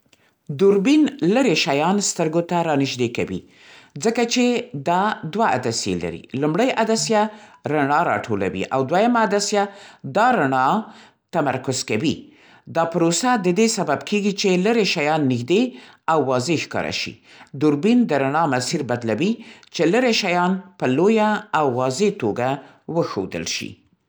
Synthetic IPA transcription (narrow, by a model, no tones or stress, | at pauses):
d̪uɾbinləɾeʃajɑnst̪əɾɡot̪aɾɑnɪʃd̪eka̰wḭ | zəkat͡ʃed̪ɑd̪waa̰d̪asjḛla̰ɾḭlumɽəjʔad̪asjaɾaɳɑɾɑ̰ʈʰola̰wḭʔa̰wd̪wajamaːd̪asjad̪ɑɾaɳɑ | t̪ama̰ɾkʊzkawi | d̪ɑpɾosad̪əd̪esababkʰeɡit͡ʃeləɾeʃajɑnːɪxd̪e | awːɑzeʃkɑ̰ɾa̰ʃḭ | d̪ʊɾbind̪əɾaɳɑmasiɾbad̪lawit͡ʃeləɾeʃajɑnpəlojaːwːɑzet̪oɡa | wəxo̰d̪ə̰lʃḭ